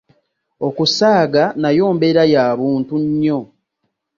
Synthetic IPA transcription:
o̞kusaːɡanajoːmbe̞ɾajaːβuːntuɲːo

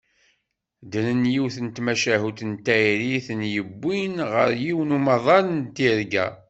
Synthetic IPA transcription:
d̪ənənjiwθənt̪mæʃæɦut̪ənt̪æjɾiθənjəbːinʁə̰ɾjiwnumɑðˤɑlənt̪iɾɡæ̰

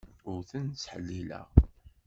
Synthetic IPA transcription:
ʊɾθənt͡sːħəlːilæ̰ʁ

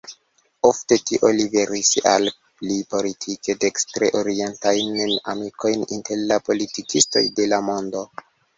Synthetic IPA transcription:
ofte̞tiʔo̞libe̞ɾisa̰l | plipo̞litʰike̞dekstɾeʔoɾie̞ntajnna̰miko̞jninte̞ɾlapo̞litikisto̞̰jde̞lamo̞ndo̞

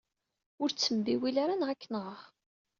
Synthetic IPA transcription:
ʊɾt͡sːəmbiwilaɾanʁækːnəʁ

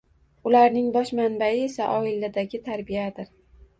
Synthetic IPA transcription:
ʊlaɾnɪŋbɒʃmanbaɪe̞saʔɒɪlad̪aɡʲɪt̪ʰaɾbijad̪ɪɾ

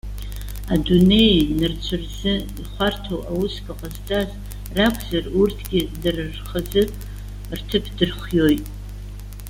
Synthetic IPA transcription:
adune̞jnɨrt͡ɕʷʰɨrzɨ | iχʷartʰowawuskʰʼaqʼaztʼaz | rakʷʰʼzarurtʰɡʲɪdarrχəzɨ | rtʰɨpʰdɨrχʷjojtʼ

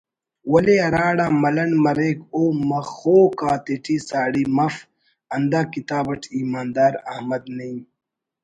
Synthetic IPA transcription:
wɐleɐɾaːɽaːmɐlɐnmɐɾeːkoːmɐxoːkaːt̪eʈʰiːsaːɽiːmɐf | ɐnd̪aːkit̪aːbɐʈʰiːmaːnd̪aːɾɐ̰hmɐd̪nɐĩ

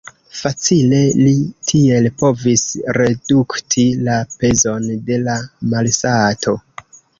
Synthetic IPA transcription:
fat͡sile̞litʰie̞lpo̞visɾe̞duktʰilape̞zo̞nde̞lamalsatʰo̞

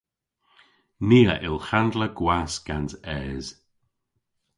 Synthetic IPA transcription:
niːəʔɪlˠxand̪ləɡ̥wasɡ̥ansɛːz̥

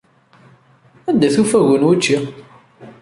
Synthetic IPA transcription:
æd̪æθufæʝənwut͡ʃːi

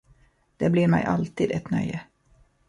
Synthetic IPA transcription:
d̪̥eːbliːɾmæɪʔɑlt̪iːd̪ɛt̪nœ̰ʏə

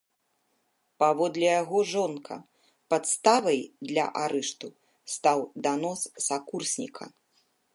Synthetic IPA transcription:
pavɔd̪lʲɛjaɣɔʐɔnkʰɐ̰ | pat̪st̪avɐjd̪lʲɐ̰ʔaɾɛʂt̪u | st̪awd̪anɔsːakursʲnʲḭkʰɐ̰

